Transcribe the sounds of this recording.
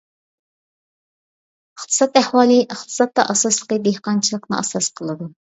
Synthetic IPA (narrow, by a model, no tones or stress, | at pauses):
əχt̪ʰɨ̥sɑt̪æhwɑːlˠɨʔəχt̪ʰɨ̥sɑt̪ːɑ̰ʔɑsɑslˠəqəd̪ehqɑnt͡ʃʰilˠəqnɨ̰ɑsɑsqʰəlˠɨd̪u